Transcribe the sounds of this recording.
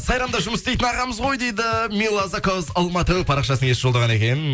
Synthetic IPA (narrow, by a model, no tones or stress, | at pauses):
sɑjɾɑmd̪ɑʒʊməst̪ejt̪ɪnɑʁɑməzʁo̞jd̪e̞jd̪ɪmʲilˠːazakozɑlˠmɑt̪æwpʰɑɾɑqʃɑsnəŋesɪʒold̪ɑʁɑne̞kʲe̞n